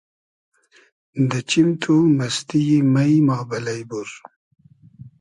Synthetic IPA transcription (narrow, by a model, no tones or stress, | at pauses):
d̪ət͡ɕimt̪ʰunɐst̪ijimajmɑːbɐlɐjbuɾ